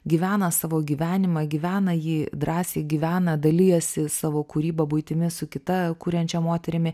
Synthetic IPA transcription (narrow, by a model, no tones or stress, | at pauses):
ɡʲiːʋʲæːnɐsɑːʋoːɡʲiːʋʲæːnʲɪmɐɡʲiʋʲæːnɐjiːd̪ɾɑːsʲeːɡʲiːʋʲæːnɐd̪ɐlʲɪjɛsʲɪsɑːʋoːkuːɾʲiːbɐbʊɪt̪ʲɪmʲɪsʊkʲɪt̪ɐkuːɾʲɛnʲt͡ʃʲɛmoːt̪ʲɛɾʲɪmʲɪ